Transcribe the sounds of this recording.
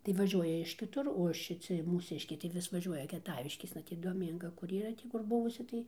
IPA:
tɐɪ ʋɐˈʒʲuɔjɛ ɪʃ kʲɪˈtʊr oː ʃʲɪˈt͡sʲɪ muːˈsʲɪʃʲkʲɛɪ tɐɪ ˈʋʲɪs ʋɐˈʒʲuɔjɛ kʲiɛˈtɑːʋʲɪʃʲkʲeːsnɐ ˈtʲiː doːˈmʲiːŋɡɐ kʊr iːˈrɐ ˈtʲiː kʊr ˈbʊʋʊsʲɪ ˈtɐɪ

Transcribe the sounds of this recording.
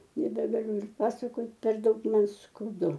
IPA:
nʲɛbʲɛɡɐˈlʲʊ ɪr ˈpɑːsɐkoːt pʲɛr ˈdɐʊk ˈmɐn skɐʊˈdʊ

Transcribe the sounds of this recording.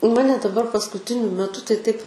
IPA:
ˈmɑːnʲɛ dɐˈbɐr pɐskʊˈtʲɪnʲʊ mʲɛˈtʊ tɐɪ tɐɪp

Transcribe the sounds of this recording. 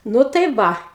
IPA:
ˈnʊ tɐɪ ˈʋɐ

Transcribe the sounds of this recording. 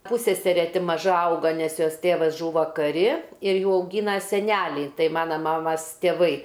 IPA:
ˈpʊsʲsʲɛsʲɛrʲɛ ˈtʲɪ mɐˈʒɐ ˈɐʊɡɐ nʲɛs ˈjoːs ˈtʲeːʋɐs ˈʒuːʋɐ kɐˈrʲɪ ɪr ˈjuː ɐʊˈɡʲiːnɐ sʲɛˈnʲælʲɛɪ ˈtɐɪ ˈmɑːnɐ ˈmɑːmɐs tʲeːˈʋɐɪ

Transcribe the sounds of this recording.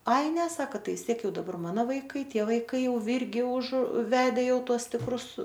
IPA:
ˈɐɪ nʲɛ ˈsɑːkɐ ˈtɐɪ ʋʲɪs ˈtʲiɛk ˈjɛʊ dɐˈbɐr ˈmɑːnoː ʋɐɪˈkɐɪ ˈtʲiɛ ʋɐɪˈkɐɪ jɛʊ ˈʋʲɪrʲɡʲɪ ʊʃ ˈʋʲæːdʲɛ ˈjɛʊ ˈtuɔs tʲɪkˈrʊs

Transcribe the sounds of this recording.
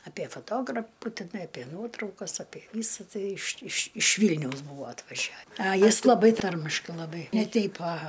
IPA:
ɐˈpʲiɛ fɐˈtoːɡrɐpʊ tʲɪˈnɐɪ ɐˈpʲiɛ ˈnuɔtrɐʊkɐs ɐˈpʲiɛ ˈʋʲiːsɐ ˈtɐɪ ɪʃ ɪʃ ɪʃ ˈʋʲiːlʲnʲɛʊs ˈbuːʋoː ɐtʋɐˈʒʲɛ ɐ ˈjɪs lˠɐˈbɐɪ ˈtɐrʲmʲɪʃkɐɪ lˠɐˈbɐɪ nʲɛ ˈtʲɛɪp ɐˈɣɐ

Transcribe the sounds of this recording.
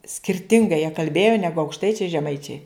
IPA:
sʲkʲɪrʲˈtʲɪŋɡɐɪ jiɛ kɐlʲˈbʲeːjoː ˈnʲæːɡʊ ɐʊkʃˈtɐɪt͡ʃʲɛɪ ʒʲɛˈmɐɪt͡ʃʲɛɪ

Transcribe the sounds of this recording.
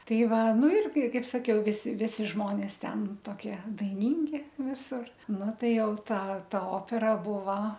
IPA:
ˈtɐɪ ˈʋɐ ˈnʊ ˈɪrʲɡʲɪ ˈkɐɪp sɐˈkʲɛʊ ˈʋʲɪsʲɪ ˈʋʲɪsʲɪ ˈʒmoːnʲeːs ˈtʲɛn toːˈkʲiɛ dɐɪˈnʲiːŋʲɡʲɪ ˈʋʲɪsʊr ˈnʊ ˈtɐɪ ˈjɛʊ ˈtɑː ˈtɐ ˈoːpʲɛrɐ ˈbʊʋɐ

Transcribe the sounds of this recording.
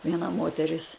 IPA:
ʋʲiɛˈnɐ ˈmoːtʲɛrʲɪs

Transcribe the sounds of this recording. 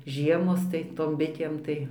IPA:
ˈʒʲiɛmoːs tɐɪ ˈtoːm ˈbʲɪtʲeːm tɐɪ

